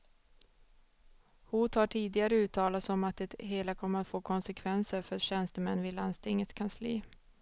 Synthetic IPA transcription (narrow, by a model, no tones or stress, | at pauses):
huːt̪haʈʰiːd̪ɪɡaɾəʉ̟ːt̪ʰɑːlat̪sɔmat̪̚d̪ɛɦeːlakʰɔmːəat̪foːkʰɔnsɛkʰvɛnsəɾfœɾɕɛnst̪əmɛnːvɪlanst̪ʰɪŋːət̪skʰanslḭː